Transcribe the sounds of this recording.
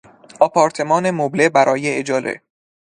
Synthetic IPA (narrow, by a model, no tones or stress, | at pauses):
ɒːpʰɒːɾt̪ʰe̞mɒːnemoblebæɾʔɒːjeed͡ʒɒːlḛ